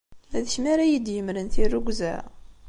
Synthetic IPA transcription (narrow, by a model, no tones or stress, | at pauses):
æðəçmæɾæjid̪jəmɾənθirːuɡʷzæ̰